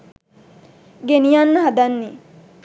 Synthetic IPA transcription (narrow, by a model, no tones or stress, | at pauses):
ɡenijanːɐɦad̪anːi